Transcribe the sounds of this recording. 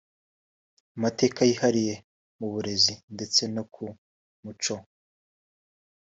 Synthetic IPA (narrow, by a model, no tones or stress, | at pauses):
amate̞ːkajihaɾije̞ | muβuɾe̞zinde̞t͡se̞nokʰu | mut͡ʃo